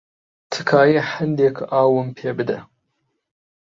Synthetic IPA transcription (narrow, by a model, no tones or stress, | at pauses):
tʰɨ̥kʰaːjeħənd̪ekʰaːwəmpʰeːbɨd̪ɐ